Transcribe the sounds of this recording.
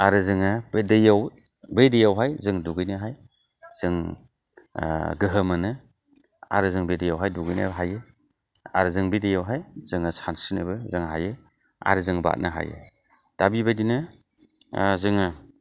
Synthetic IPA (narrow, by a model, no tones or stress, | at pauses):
aɾɯzɯŋabedejaw | bejdejawɦajzɯŋduɡɯjnɯɦaj | z̥ɯŋ | ɡɯɦɯmɯnɯ | a̰ɾɯzɯŋbejdajawɦajduɡɯjna̰ɦajɯ | a̰ɾɯzɯŋbejdejawɦajz̥ɯŋasansinɯ̰bɯzɯŋɦajɯ | a̰ɾɯzɯŋba̰t̚naɦa̰jɯ̰ | d̥abibajdinɯ | zɯŋa